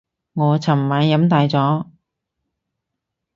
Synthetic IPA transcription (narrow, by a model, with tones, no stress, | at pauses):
ŋɔː˨˧t͡sʰɐ˨˩mmaː˨˧˥njɐ˨˥mt̪aː˨˧jt͡sɔː˨˥